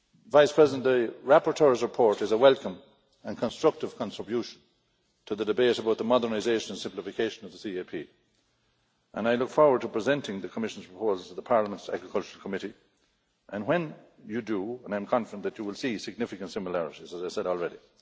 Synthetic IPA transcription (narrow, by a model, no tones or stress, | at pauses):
vaɪspʰɹ̥ɛzɪdə̃nðəɹapəɹtʰɜɹzɹɪpʰɔɹɾɨzəwɛlˠkə̃m | ə̃nkʰə̃nstɹ̥ʌk̚tɨv̥kʰɑ̃ntɹ̥əbjuʃə̃n | tʰəðədɨbeɪɾəbaʊt̪̚ðəmɑdə˞naɪzeɪʃə̃nə̃nsɪ̃mplɪfɨkʰeɪʃə̃nʌvðəsiepʰḭ | ʔə̰̃naɪlʊkfɔɹwə˞d̚tʰəpʰɹ̥ɨzɛ̃ntɪ̃ŋðəkʰəmɪʃə̃n̩z̥pʰɹ̥əpʰoːzl̩ˠtʰəðəpʰaɹləmə̃ntsæ̰ɡɹɪkʰʌlt͡ʃəɹəl̩ˠkʰəmɪɾi | ʔə̃nwə̃n | jɨdəə̃nãɪ̃mkʰɑ̃nfədə̃nðət͡ʃəwɪlˠsisɨɡ̚nɪfɨkə̃ntsɪ̃məlæɹɪɾizəzaɪsɛɾɔlˠɹɛɾi